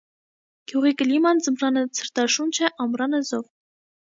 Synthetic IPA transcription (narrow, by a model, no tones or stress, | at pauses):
ɡ̥juʁikəlimɑnd͡zəmrɑnət͡sʰəɾt̪ɑʃunt͡ʃʰɛʔɑmɾɑnəzɔʁ